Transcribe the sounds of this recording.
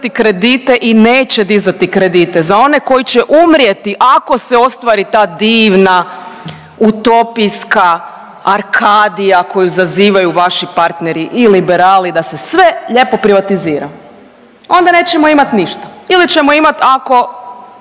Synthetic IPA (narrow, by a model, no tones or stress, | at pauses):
t̪ikɾe̞d̪it̪e̞ʔineːt͡ɕed̪izat̪ikɾe̞d̪iːt̪e̞zao̞ne̞ko̞jit͡ɕɛʔumɾje̞t̪iʔako̞seo̞st̪ʋaːɾit̪aːd̪iːʋna | ut̪o̞piska | aɾkʰaːd̪ijako̞juzaziːʋajuʋaʃipaɾt̪neɾiʔilibe̞ɾaːlid̪asesʋe̞ʎe̞po̞pɾiʋat̪iziːɾa̰ | o̞nd̪ane̞ːt͡ɕemoimat̪niʃt̪ḁilit͡ɕe̞moimat̪ako̞